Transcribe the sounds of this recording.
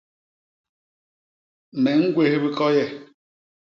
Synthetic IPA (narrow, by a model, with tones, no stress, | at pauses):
ne˨ŋ̩˦ɡʷe˦ɦe˦bi˦kɔ˦jɛ˦˨